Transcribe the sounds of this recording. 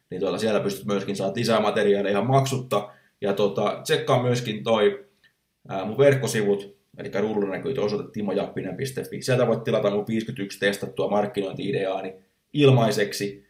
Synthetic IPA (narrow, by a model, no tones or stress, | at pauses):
nint̪uot̪ɑsielt̪æpyst̪yt̪myøskinsɑːɑt̪isæːmɑt̪eriɑːlːeihɑmmɑksut̪ːɑ | jɑt̪ot̪ɑtekːɑmmyøskint̪oi | əːmuʋʋerkːosiʋut̪ | elikːærurːunækyːt̪øosot̪et̪ːiːmojɑpːinempist̪efːḭːsielt̪æʋoit̪t̪ːilɑt̪ɑnuʋiːskyt̪ykst̪est̪ɑt̪t̪uɑmɑrkːinoint̪iideɑːni | ilmɑiseksi